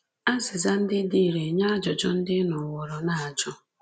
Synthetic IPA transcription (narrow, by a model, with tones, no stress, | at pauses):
a˦zɪ˨za˦n̩˦dɪ˦di˦˨ɾe˨ɲa˦a˦d͡ʒɔ˨d͡ʒɔ˦n̩˦dɪ˦nɔ˨wɔ˨ɾɔ˨na˨a˨d͡ʒʊ˦